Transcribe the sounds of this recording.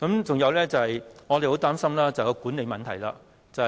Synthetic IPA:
kɐ˨˧˥mt͡sʊ˨ŋjɐ˨˧wlɛː˥t͡sɐ˨˩hɐ˨jŋɔː˧e˨jho˨˥wt̪aː˥msɐ˥mlaː˥t͡sɐ˨hjkɔ˧kuː˨˥nle˨˧jmɐ˨nt̪ʰɐ˨˩jla̰ː˧ | t͡sɐ˨

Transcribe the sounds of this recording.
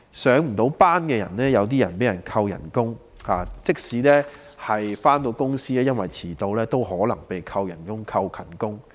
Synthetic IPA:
sœː˨˥ŋm̩˨˩t̪o˨˥wpaː˥nkɛː˧jɐ̰˨˩nlɛː˥jɐ˨˧wt̪̬iː˥jɐ˨˩npe˨˥jɐ˨˩nkʰɐ˧wjɐ̰˨˩nkʊ˥ŋ | haː˨t͡sɪ˥k̚siː˨˥lɛː˥ | hɐ˨jfaː˥nt̪o˧wkʊ˥ŋsiː˥ɛ˥jɐ˥nwɐ˨˩jt͡sʰiː˨˩t̪o˨˧wlɛː˥t̪o˥wɦɔː˨˥lɐ˨˩ŋpe˨jkʰɐ˧wjɐ̰˨˩nkʊ˥ŋkʰɐ˧wkʰɐ˨˩nkʊ˥ŋ

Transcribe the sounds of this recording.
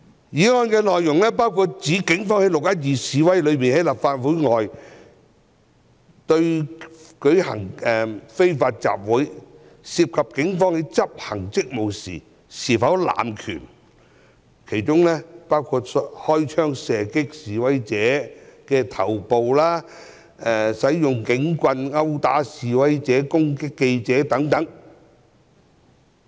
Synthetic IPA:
jiː˨˥ŋɔː˧nkɛː˧lɔː˨jːʊ˨˩ŋlɛː˥paː˥wkʰu˧t̚t͡siː˨˥kɪ˨˥ŋfɔː˥ŋhe˨˥jlʊ˨k̚jɐ˥t̬̚jiː˨˧siː˨wɐ˥jlɵ˨˧ɥmiː˨nhɐ˨˥jlaː˨p̚faː˧t̚wuː˨˥jŋɔː˨j | t̪ɵ˧ɥkɵ˨˥ɥhɐ̰˨˩ŋɛ˨˩fe˥jfaː˧t̚t͡sa̰ː˨p̚wuː˨˥j | siː˧p̚kʰɐ˨p̚kɪ˨˥ŋfɔː˥ŋhe˨˥jt͡sɐ˥p̚hɐ˨˩ŋt͡sɪ˥k̚mo˨wsḭː˨˩ | siː˨˩fɐ˨˥wla̰ː˨˩mkʰy̰ː˨˩n | kʰe˨˩jt͡ʃʊ˥ŋlɛː˥paː˥wkʰu˧t̚sɔhɔː˥jt͡ʃʰœː˥ŋsɛː˨kɪ˥k̚siː˨wɐ˨˦jt͡sɛː˨˥kɛː˧t̪ʰɐ˨˩wpo˨wlaː˥ | ɛ˨˧sɐ˨˥jjʊ˨ŋkɪ˨˥ŋkʷɐ˧nŋɐ˥wt̪a̰ː˨˥siː˨wɐ˨˥jt͡sɛː˨˥kʊ˥ŋkɪ˥kːe˧jt͡sɛː˨˥t̪ɐ˨˥ŋt̪ɐ˨˥ŋ

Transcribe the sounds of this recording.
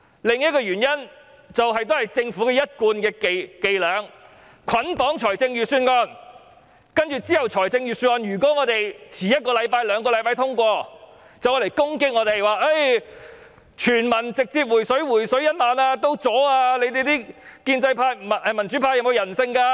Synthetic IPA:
lɪ˨ŋjɐ˥t̚kɔː˧jyː˨˩njɐ˥n | t͡sɐ˨wɦɐ˨jt̪̬o˥hɐ˨jt͡sɪ˧ŋfu˨˥kɛː˧jɐ˥t̚kuː˧nkɛː˧kke˨jlœː˨˧ŋ | kʷʰɐ˨˥npɔː˨˥ŋt͡ʃʰɔː˨˩jt͡sɪ˧ŋjyː˨syː˧nŋɔː˧n | kɐ˥nt͡ʃyː˨t͡siː˥hɐ˨wt͡ʃʰɔː˨˩jt͡sɪ˧ŋjyː˨˩syː˧nŋɔː˧njyː˨˩kʷɔː˨˥ŋɔː˨˧t̪e˨jt͡sʰiː˨˩jɐ˥t̚kɔː˧lɐ˨˧jpaː˧jlœː˨˧ŋkɔː˧lɐ˨˥jpaː˧jt̪ʰʊ˥ŋkʷɔː˧ | t͡sɐ˨˩wːle˨˩jkʊ˥ŋkɪ˥k̚ŋɔː˨˧t̪e˨jwaː˨e˥j | t͡ʃʰyː˨˩nmɐ˨˩nt͡sɪ˨k̚t͡siː˧p̬̚wu˨˩sɵ˨˥ɥwuː˨˩jsɵ˨˥ɥjɐ˥n̚maː˨˧naː˧t̪o˧wt͡sɔː˨˥aː˧le˧jt̪e˨jt̪i˥kiː˧nt͡sɐ˧jpʰaː˧˥jm˨ʔɛ˨˧mɐ˨˩nt͡ʃy˨˥pʰaː˧jɐ˨wm˨˧wjɐ˨˩nsɪ˧ŋkaː˧

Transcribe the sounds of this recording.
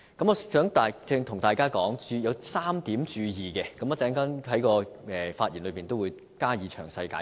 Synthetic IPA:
kɐ˨˥mɔː˨˧sœː˨˥ŋt̪aː˨t͡sɪ˧ŋt̪ʰʊ˨˩ŋt̪aː˨jkaː˥kɔː˨˥ŋt͡syː˧jɐ˨˧wsaː˥mt̪iː˨˥mt͡ʃyː˧jiː˨˩kɛ˧kɐ˨˦mː˨˧˥t͡sɛː˨˥ŋkɐ˥nɦɐ˨˥jkɔː˧ɛː˨faː˧t̚ji˨˩nlɵ˨˧ɥpiː˨nt̪o˥wu˨˧j | kaː˥jiː˨˥t͡ʃʰœː˨˩ŋsɐ˧jka̰ː˧˥

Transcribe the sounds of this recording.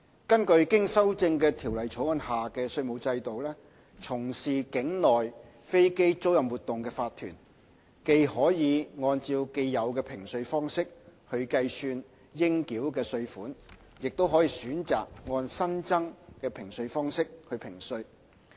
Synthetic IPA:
kɐ˥nkɵ˧ɥkɪ˥ŋsɐ˥wt͡sɪ˧ŋkɛː˧t̪ʰi˨˩wlɐ˨˩jt͡sʰo˨˥wŋɔː˧nhaː˨˩kɛː˧sɵ˧ɥmo˨˧wt͡sɐ˧jt̪o˨wlɛː˥ | t͡sʰʊ˨˩ŋsiː˨kɪ˨˥ŋlɔː˨j | fe˥jke˥jt͡so˥wjɐ˨mwuː˨˩t̪ːʊ˨ŋkɛː˧faː˧t̪ʰːyː˨˩n | ke˧jhɔː˨˥jiː˨˧ŋɔː˧nt͡siː˧wke˧jːɐ˨˧wkɛː˧pʰɪ˨˩ŋsɵ˧ɥfɔː˥ŋsɪ˥k̚hɵ˧ɥkɐ˧jsyː˧n | jɪ˥ŋkiː˨˥wkɛː˧sɵ˧ɥfuː˨˥n | jɪ˨k̚t̪o˥wɦɔː˨˥jiː˨˧syː˨˥nt͡sa̰ː˨k̚ŋɔː˧nsɐ˥nt͡sɐ˥ŋkɛː˧pʰɪ˨˩ŋsɵ˧ɥfɔː˥ŋsɪ˥k̚hɵ˧ɥpʰɪ˨˩ŋsɵ˧ɥ

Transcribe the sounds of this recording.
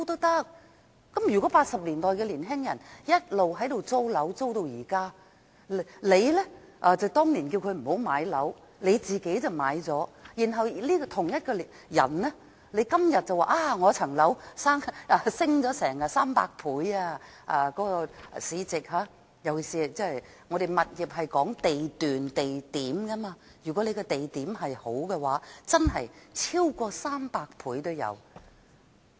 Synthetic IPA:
t̪o˥t̪ɐ˥k̚ | kːɐ˨˥mjy˨˩kɔ˨˥paː˧t̚sɐ˨p̚liː˨˩nt̪ɔː˨˩jkɛː˧liː˨˩nɦɪ˥ŋjɐ˨˩njɐ˥t̚lo˨wɦɐ˨˥jt̪o˨wt͡so˥wlɐ˨˥wt͡so˥wt̪o˨˧wjiː˨˩kaː˥ | lle˨˧jlɛ˥ʔaː˧t͡sɐ˨wt̪ɔː˥ŋliː˨˩nki˧wkʰɵ˧ɥm̩˨˩ho˨˥wmaː˨˧jlɐ˨˥w | le˨˧jt͡siː˨ke˨˥jt͡sɐ˨wma̰ː˨˧jt͡sɔː˨˥jiː˨˩nɦɐ˨wliː˥kɔ˧t̪ʰʊ˨˩ŋjɐ˥t̚kɔː˧l | jɐ̰˨˩nlɛ˥ | le˨˧jkɐ˥mjɐ˨t̚t͡sɐ˨waː˨˧˩ʔaː˧˩ŋɔː˨˧t͡sʰɐ˨˩ŋlɐ˨˥wsaː˥ŋa˧sɪ˥ŋt͡sɔː˨˥sɛː˨˩ŋaː˧saː˥mpa̰ː˧k̚pʰuː˨˥jaː˧ | ʔa̰ː˧kɔː˨˥kɔ˧siː˨˧t͡sɪ˨k̚ɦaː˨˧ | jɐ˨wjiː˨˩siː˨t͡sɛ˥˨j | ŋɔː˨˧ɾe˨jmɐ˨t̚jiː˨˩p̚ɦɐ˨jkɔː˨˥ŋt̪e˨jt̪yː˨nt̪e˨jt̪iː˨˥mkɐ˥maː˧ | jyː˨˩kɔ˨˥le˨˧jkɛ˧t̪e˨jt̪iː˨˥mɦɐ˨jho˨˥wkɛ˧waː˨˥t͡sɐ˥nɦɐ̰˨jt͡sʰiː˥wkɔː˧saː˥mpaː˧k̚pʰuː˨˥jt̪o˥wjɐ̰˨˧w

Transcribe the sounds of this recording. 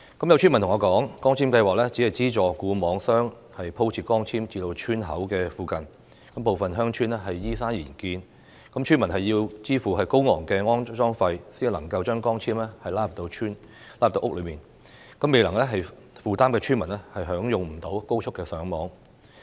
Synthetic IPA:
kɐ˨˥mjɐ˧wt͡ʃʰːnmɐ˨˩nt̪ʊ˨˩ŋɔː˨˧kɔː˨˥ŋkɔː˥ŋt͡sʰiː˥mkɐ˧jwaː˨k̚lɛː˥t͡siː˨˥hɐ˨jt͡siː˥t͡ʃɔː˨kuː˧mɔː˨˥ŋsœː˥ŋ | hɐ˨jpʰo˥wt͡sʰiː˨t̚kɔː˥ŋt͡sʰiː˥mt͡siː˧lo˧wt͡ʃʰyː˥nɦɐ˨˥wkɛː˧fuː˨kɐ˨n | kɐ˨˥mpo˨wfɐ˨nɦœː˥ŋt͡ʃʰyː˥nɛ˥ɦɐ˨jːiː˥saː˥njiː˨˩nkiː˧n | kɐ˨˥mt͡ʃʰyː˥nmɐ˨˩nɦɐ˨jːiː˧wt͡siː˥fuː˨˩ɦɐ˨jko˥wŋɔ̰ː˨˩ŋkɛː˧ŋɔː˥nt͡ʃɔː˥ŋfɐ˧jsiː˥n˨lɐ˨˩ŋkɐ˧wt͡ʃœː˥ŋkɔː˥ŋt͡sʰiː˥mlɛ˥hɐ˨jlaː˥ɐ˨p̚t̪o˧wt͡ʃʰyː˥n | laː˥ɐ˨pt̪o˧wk̚lɵ˨˧ɥmiː˨˩n | kɐ˨˥me˨jlɐ˨˩ŋlɛ˥ɦɐ˨j | fuː˨t̪aː˥mkɛː˧t͡ʃʰyː˥nmɐ˨˩nlɛ˥hɐ˨jɦœː˨˥ŋjʊ˨ŋm̩˨˩t̪o˨˥wko˥wt͡ʃʰʊ˥kːɛː˧sœː˨˥ŋmɔː˨˧˥ŋ

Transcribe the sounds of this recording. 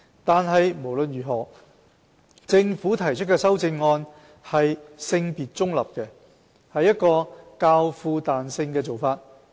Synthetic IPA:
t̪aː˨nɦɐ˨jmo˨˩wlɵ˨nɥyː˨˩ɦɔː˨˩ | t͡sɪ˧ŋfuː˨˥t̪ʰɐ˨˩jt͡ʃʰɵ˥t̚kɛː˧sɐ˥wt͡sɪ˧ŋːɔː˧n | hɐ˨jsɪ˧ŋpiː˨˩t̚t͡sʊ˥ŋlɐ̰˨p̚kɛ˧ | hɐ˨jːɐ˥t̚kɔː˧kaː˧wfuː˧t̪aː˨nsɪ˧ŋkɛː˧t͡so˨wfaː˧t̚

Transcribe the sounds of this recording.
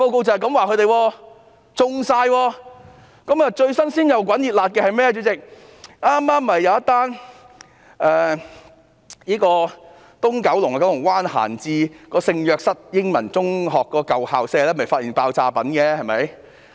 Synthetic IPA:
po˧wko˧wt͡sɐ˨hɐ˨jkɐ˨˥mwaː˨kʰɵ˨˧˥t̪e˨jwɔː˧ | t͡sʊ˧ŋsaː˧jwɔː˧ | kɐ˨˥mɐː˨t͡ʃɵ˧ɥsɐ˥nsiː˥njɐ˨˩wk̬ʷɐ˨˥njiː˨t̚laː˨t̚kɛː˧hɐ˨jmɛː˥ɐt͡ʃyː˨˧˥t͡sɪ˨k̚ | ʔaː˥mːaː˥mːɐ˨jːɐ˨˧wjɐ˥t̪ːaː˥n | ʔɛː˨ | jiː˥kɔː˧ | t̪ʊ˥ŋkɐ˨˥wlʊ˨˩ŋka˧kɐ˨˥wlʊ˨˩ŋwaː˥nha̰ː˨˩nt͡siː˧kɔː˧sɪ˧ŋjœː˧k̚sɐ˥t̚jɪ˥ŋmɐ˨˩nt͡sʊ˥ŋɦɔː˨kːɔː˧kɐ˨whaː˨wsɛː˧lɛː˥mɐ˨˩jfaː˧t̚iː˨˩npaː˧wt͡saː˧pɐ˨˥nkɛː˧hɐ˨jmɐ˨˥j

